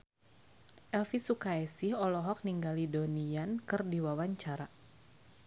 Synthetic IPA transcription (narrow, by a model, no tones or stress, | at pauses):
ʔɛlfisukaɛsihɔlɔɦɔk̚niŋɡalidoniankɨrdiwawaɲt͡ʃaɾa